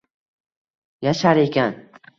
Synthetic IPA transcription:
jaʃaɾekʲan

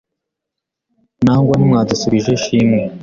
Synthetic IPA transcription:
naːŋɡwanimŋaːdusuβiʒeʃiːmŋe

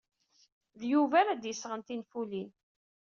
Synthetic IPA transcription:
ðjuvæɾæd̪jəsːʁənt̪infulin

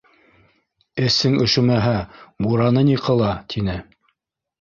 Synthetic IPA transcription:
ɘ̆sɘŋɵ̆ʃɘ̆mæɦæbuɾɑnɤniqɤ̆lˠɑt̪ʰinɘ

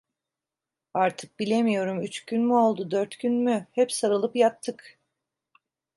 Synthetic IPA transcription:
aɾt̪ʰɯ̥k̚bilʲemijo̞ɾumyt͡ʃcynmyolˠd̪ud̪øɾt̪cʰynmyhɛpsaɾɯlˠɯpjat̪ʰːɯk

